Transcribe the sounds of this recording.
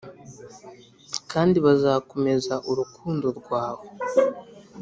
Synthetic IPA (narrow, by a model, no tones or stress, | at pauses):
kaːndiβazaːko̞me̞zaʔuɾukʰuːndo̞ɾɡwaːβo̞